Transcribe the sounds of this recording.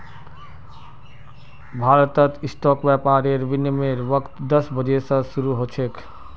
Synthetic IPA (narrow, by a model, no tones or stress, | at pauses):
bʱaɾt̪ət̪isʈɔkbjapaɾeɾbinjəmeɾʋʌkt̪d̪əsbəd͡ʒesə̃suɾuɦot͡ʃʰek